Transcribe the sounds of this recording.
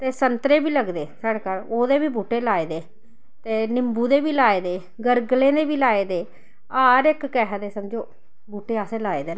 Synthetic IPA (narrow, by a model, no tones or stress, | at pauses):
t̪eːsənt̪ɾeːbiːləɡd̪eːsaɽeːkəloːd̪eːbiːbuːʈeːlaːeːd̪eː | t̪eːnɪmbuːd̪eːbiːlaːeːd̪eː | ɡəɾɡlẽːd̪eːbiːlaːeːd̪eː | aːɾɪkːɛɦd̪eːsəmd͡ʒoː | buːʈeːaːseːlaːeːd̪eː